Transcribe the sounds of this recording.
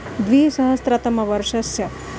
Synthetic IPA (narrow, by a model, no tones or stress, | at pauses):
d̪ʋiːsɐɦəst̪ɾat̪ɐmɐʋɐɾʂɐsjɐ